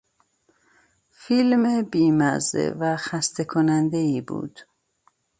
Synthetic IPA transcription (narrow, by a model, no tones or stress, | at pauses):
filmebiːmæ̰zḛvæxæst̪ʰe̞kʰonænd̪eiːbṵːd̪̥